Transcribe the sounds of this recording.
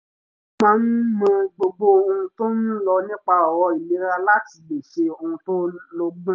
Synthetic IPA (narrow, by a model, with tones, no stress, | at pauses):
mãː˦n̩˦mã˧ɡ͡bo˧ɡ͡bo˧o˧hũ˧to˦n̩˦lɔ˧nĩ˦k͡pa˧ɔ˨wɔ˧i˨li˨˦ɾa˧la˦ti˨be˨ʃe˧o˧hũ˧to˦lo˦ɡ͡b̃